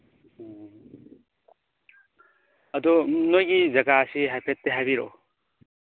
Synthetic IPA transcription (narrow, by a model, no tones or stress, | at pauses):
ɐdɔnojɡizɐɡaɐsiɦajpʰet̚ːeɦajbiɾɔ̰